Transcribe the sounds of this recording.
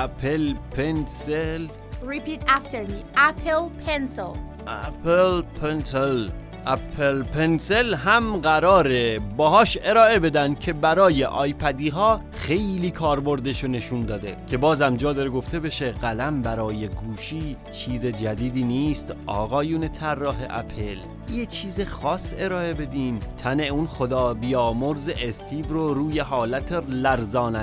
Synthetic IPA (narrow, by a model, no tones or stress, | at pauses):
æpʰelpʰensel | ɹipiːtæft̪eɾmiæpʰelpʰensel | ʔæpʰelpʰensel | ʔæpʰelpʰenselɦæmɢæɾɒːɾebɒːɦɒːʃe̞ɾɒːʔe̞be̞d̪ænd̪̥̚cʰe̞bæɾɒːje̞ʔɒːjpʰæd̪iːɦɒː | xe̞jliːkʰɒːɾbo̞ɾd̪eʃone̞ʃund̪ɒːd̪e̞̰cʲʰe̞bɒːzæmd͡ʒɒːd̪ɒɾeɡo̞ft̪e̞be̞ʃe̞ɣælæmbæɾɒːje̞ɡuːʃiː | t͡ʃʰiːzed͡ʒæd̪iːd̪iːniːst̪ɒ̰ːɣɒːjuːne̞t̪ʰærːɒːɦeʔæ̰pʰe̞l | jet͡ʃʰiːzexɒːse̞ɾɒːe̞be̞d̪iːmt̪ʰæne̞unxod̪ɒːbijɒːmoɾzeʔest̪ʰiːvɾoɾuːje̞ɦɒːlæt̪ʰelæɾzɒːnæ